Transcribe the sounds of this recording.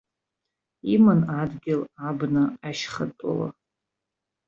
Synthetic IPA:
imɨnadɡʲɪlabnɨaʃχətʼo̰la̰

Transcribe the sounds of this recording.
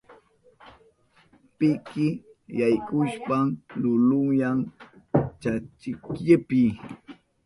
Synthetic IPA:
pɪkɪ | jajkʊʃpamlʊlʊŋjaŋ | t͡ʃat͡ʃɪkʎɪpɪ

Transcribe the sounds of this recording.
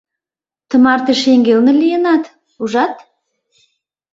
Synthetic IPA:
t̪ʰə̆mɑɾt̪əʃeŋɡʲelˠnəlʲijənɑt̪ | uʒɑt̪

